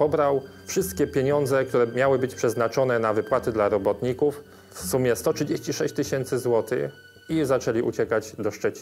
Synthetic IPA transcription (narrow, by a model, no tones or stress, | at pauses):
pɔbɾawfʂɘst̪kʲɛpʲjeɲɔnd̪zɛk̚t̪uɾɛmjawɘbɘt͡ɕpʂɛznat͡ʂɔnɛnavɘpwat̪ɘd̪laɾɔbɔt̪ɲikuf | fsumʲjɛst̪ɔtʂɘd͡ʑeɕt͡ɕiʂɛɕt͡ɕt̪ɘɕɛnt̪sɘzwɔt̪ɘ̰ | izat͡ʂɛlʲiʔṵt͡ɕɛkad͡ʑd̪ɔʂt͡ʂɛt͡ɕi